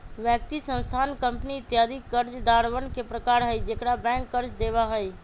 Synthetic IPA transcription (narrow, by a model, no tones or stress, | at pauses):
ʋjək̚t̪isə̃nst̪ʰaːnkə̃mpniɪt̪jaːd̪ikəɾd͡ʒd̪aːɾʋənkepɾəkaːɾɦəid͡ʒekɽabɛ̃ːŋkːəɾd͡ʒd̪eːʋaɦəi